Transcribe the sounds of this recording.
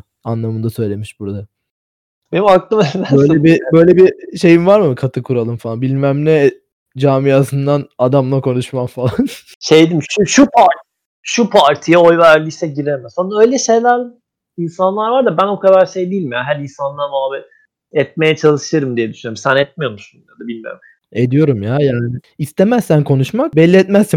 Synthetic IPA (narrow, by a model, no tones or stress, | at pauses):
anlˠamɯnd̪asø̞jlʲe̞miʃbuɾd̪a | b̥enimaklˠɯmɛvæbøjlʲɛbibø̞jlʲebiʃe̞jimvaɾmɯkʰat̪ʰɯkʰuɾalˠɯmfalˠanbilʲmæmlʲɛ | d͡ʒaːmijaːsɯnd̪anad̪amlˠakʰo̞nuʃmamfalˠan | ʃejd̪imʃuʃupʰaɾt̪ | ʃupʰaɾt̪ʰijaojvæɾlʲiʃsɛɟiɾemsond̪aø̞jlʲɛʃe̞jlʲæɾ | insanlˠaɾvaɾd̪abænokʰad̪aɾʃejd̪iilʲmijaɦæɾinsanlˠamaːbɛ | ɛt̪̚me̞jɛt͡ʃʰalˠɯʃɯɾɯmd̪ijɛd̪yʃynjøɾumsænɛt̪̚mijo̞ɾmuʃsunad̪abilʲmijo̰ɾ | ed̪ijo̞ɾumjaːjaːnɪːst̪ʰemæsːænkʰo̞nuʃmak̚bɛlʲːiɛt̪mæsːi